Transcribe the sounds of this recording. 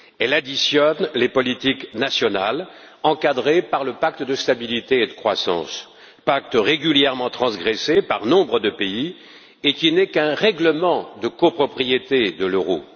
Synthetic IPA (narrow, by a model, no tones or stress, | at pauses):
ɛlad̪isjɔnlepɔlit̪iknasjɔnal | ɑ̃kad̪ʁepaʁləpak̚t̪əd̪əst̪abilit̪eːd̪əkχwa̰sɑ̰̃s | pak̚t̪ʁeɡʲyljɛʁmɑ̃t̪χɑ̃sɡʁɛsepaʁnɔ̃bʁəd̪əpei | ekʲinɛkɛ̃ʁɛɡləmɑ̃d̪əkopχɔpχijet̪ed̪əløʁo̰